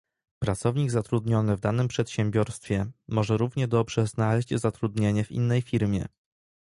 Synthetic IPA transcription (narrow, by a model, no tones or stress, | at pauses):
pɾat̪sɔvɲiɡzat̪ɾud̪ɲɔnɘvd̪anɘmpʂɛt̪ɕɛmbʲjɔɾst̪fʲjɛmɔʐɛɾuvɲɛd̪ɔbʐɛznalɛʑd͡ʑzat̪ɾud̪ɲeɲɛvʲḭnːɛjfʲiɾmʲjɛ̰